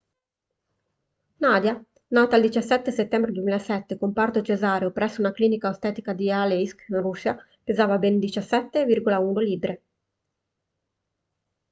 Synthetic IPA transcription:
naːd̪ja | naːt̪aːld̪it͡ʃasːɛt̪ːeset̪ːɛmbɾed̪wemilaesɛt̪ːekompart̪ot͡ʃezaːɾeopɾɛsːounakliːnikaost̪ɛːt̪ikad̪ialeisknrusa | pezaːvabend̪it͡ʃasːɛt̪ːevirɡolauːnoliːbɾe

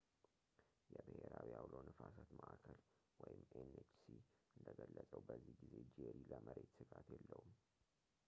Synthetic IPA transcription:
jɛbɨheɾawijawlownʔɨfasat̪məʔakʰəl | wɔjɪmːenet͡ʃsiɨnd̪əɡəlːəsʼəwbəzːihɡize̞d͡ʒeɾiləmʔəɾe̞t̪sɨɡat̪jɛlːəwum

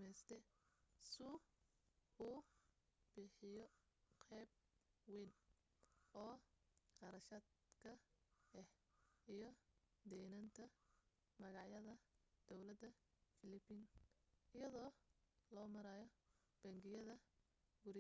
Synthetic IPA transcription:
mɛjst̪ʰɛsʊ | uː | b̥ɪħɪjɔqʰɛːb̚ | wiːn | ɔːqɑɾɐʃɐd̪kʰɐɛhijɔd̪ɛːnɐnt̪ʰɐ | mɐɣɑʕjɐðɐd̪̥ɔwlɐd̪ɐ | fɪlɪbiːnɪjɐðɔːlɔːmɐɾaːjɔ | b̥ɐŋɡɪjɐðɐ | ɡʊɾ

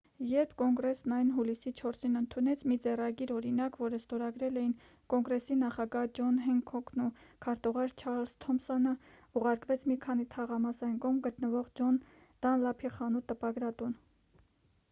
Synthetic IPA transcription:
jɛɾpʰkɔŋɡɾɛsnɑjnɦulisit͡ʃʰɔɾsinənt̪ʰunɛt͡sʰmid͡zɛrɑɡiɾɔɾinɑkvɔɾəst̪ɔɾɑɡɾɛlɛjin | kɔŋɡɾɛsinɑχɑɡɑhd͡ʒɔnɦɛŋkʰɔkʰnukʰɑɾt̪uʁɑɾt͡ʃʰɑɾlz̥t̪ʰɔmsɔnə | uʁɑɾkvɛt͡sʰmikʰɑnit̪ʰɑʁɑmɑsɑjnkɔmɡət̪nəvɔʁd͡ʒɔn | d̪̥ɑnlɑpʰiχɑnut̪əpɑɡɾɑt̪un

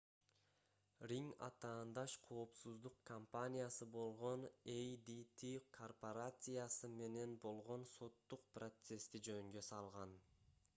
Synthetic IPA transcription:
rʲiŋɑ̰t̪ɑːnd̪ɑʃqʰo̞ːpsuzd̪uqkʰɐmpanʲijasɯbo̞lˠʁo̞nejd̪it̪ʰikʰorpoɾat̪sɨjasɯme̞ne̞nbo̞lˠʁo̞nso̞t̪ːuq̚prot̪se̞st̪id͡ʒønŋɡø̞sɑlˠʁɑn

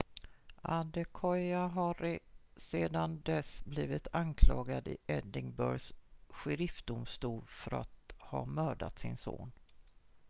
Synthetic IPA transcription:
ʔand̪ɛkʰɔjaɦɑɾɪseːd̪and̪ɛsbliːvɪt̪ʰankʰlɑːɡad̪ɪʔɛd̪ɪŋbœɾsɧɾɪft̪̚d̪ʊmst̪uːlfœɾa̰t̪hɑːmœːɖa̰t̪sɪnso̰ːn

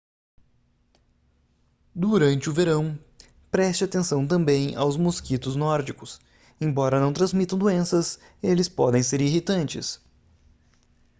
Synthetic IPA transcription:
d̪uɾɐ̃nt͡ʃɪʊveɾɐ̃w̃ | pɾɛst͡ʃɪat̪ẽsɐ̃w̃t̪̬ɐ̃mbẽj̃a̰wzmoskit̪ʊznɔɾd͡ʒikʊs | ẽj̃bɔɾɐnɐ̃w̃t̪ɾɐ̃zmit̪ɐ̃w̃d̪uẽsɐs | elɪspɔd̪ẽj̃seɾiɦit̪ɐ̃nt͡ʃɪ̰s

